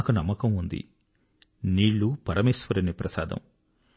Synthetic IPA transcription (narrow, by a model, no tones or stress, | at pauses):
kunɐmːɐkɐmund̪ḭ | niːɭːupɐɾɐmeːsʋɐɾɐnipɾɐsaːd̪ɐ̰m